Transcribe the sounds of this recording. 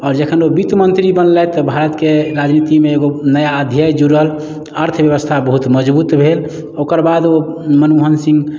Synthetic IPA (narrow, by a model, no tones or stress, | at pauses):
ɔːɾd͡ʒəkʰənobit̪mənt̪ɾibənlɛt̪ɔbʱaɾət̪keɾad͡ʒnit̪imeːɡonəjaəd̪ʱjajd͡ʒuɾəl | əɾt̪ʰbjəβəst̪ʰabəɦut̪məd͡ʒbut̪bʱel | okəɾbad̪omənuɦənsĩŋɡ